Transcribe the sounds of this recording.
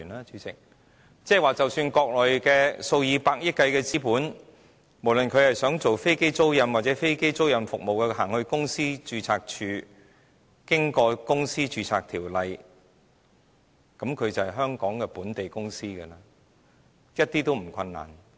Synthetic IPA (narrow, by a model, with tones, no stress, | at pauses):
naː˦˥t͡ʃyː˨˧t͡sɪ˨k̚ | t͡sɛː˥˩waː˨˩t͡sɐ˨wsyː˧nkɔː˧k̚lɔː˨jkɛː˧so˧wjiː˨˧paː˧k̚jɪ˥kːɐ˧jkɛː˧t͡siː˥puː˨˥n | mo˨˩wlɵ˨˩nkʰɵ˨˧ɥhɐ˨˩jsœː˨˥ŋt͡so˨wfe˥jke˥jt͡so˥wjɐ˨˧nwaː˨t̚t͡sɛː˨˥fe˥jke˥jt͡so˥wjɐ˨˧mfʊ˨k̚mo˨wkɛ˧ɦaː˨˩ŋhɵ˧ɥkʊ˥ŋsiː˥t͡ʃyː˧t͡sʰaː˧k̚t͡ʃʰyː˨˧ | kɪ˥ŋkɔː˧kʊ˥ŋsiː˥t͡ʃyː˧t͡sʰaː˨k̚t̪ʰiː˨˩wlɐ˨˧j | kɐ˨˥mkʰɵ˨˧ɥt͡sɐ˨hɐ˨˩jɦœː˥ŋkɔː˨˥ŋkɛː˧puː˨˥nt̪e˨jkʊ˥ŋsiː˥kɐ˧laː˧ | jɐ˥t̚t̪iː˥t̪o˥wm̩˨˩kʷʰɐ˧nːa̰ː˨˩n